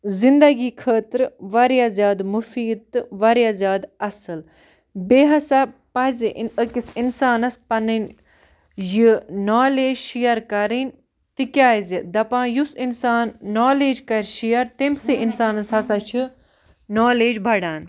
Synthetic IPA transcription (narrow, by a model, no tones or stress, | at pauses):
zind̪ɐɡiːkʰəːt̪ɾʋɐɾjazjaːd̪mufiːd̪̚t̪ɨʋɐɾjaːzʲjaːd̪ɐsɨl | beːɦɐsapɐziʔəkisinsaːnɐspɐnin | jɨnaːleːd͡ʒʃijɐɾkɐɾin | t̪ikʲaːizid̪ɐpãːjusinsaːnːoːleːd͡ʒkɐɾʲʃijɐɾt̪emsiʔinsaːnɐsɦɐsat͡ʃʰɨ | noːleːd͡ʒbʱɐɽaːn